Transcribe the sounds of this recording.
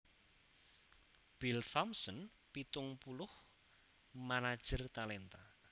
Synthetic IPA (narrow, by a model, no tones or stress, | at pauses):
b̥ilfamsən | pit̪ʊŋpulʊh | manad̥ʒ̥ərt̪alɛnt̪a